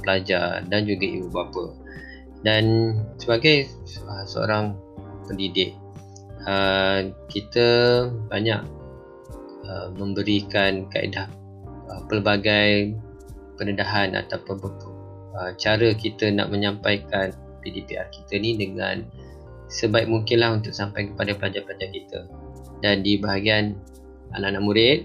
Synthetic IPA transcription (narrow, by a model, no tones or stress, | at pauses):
pəlad͡ʒardand͡ʒuɡaḭbubapə | dansəbaɡajəsəo̰ɾaŋ | pəndidɪk̚ | əkit̪əbaɲaʔ̚ | əmə̃mbəɾikanka̰ʔḭdah | əpərbaɡaj | pənədaɦana̰t̪apab | ət͡ʃaɾəkit̪əna̰ʔmə̃ɲãmpajkan | pidipiʔa̰rki̥t̪ənĩdəŋã̰n | səbaɪk̚muŋkɪnlaɦunt̪ʊk̚sampajkəpadaplad͡ʒanplad͡ʒankit̪ə̰ | dandibaɦaɡian | a̰naʔnaʔmuɾɪt̪̚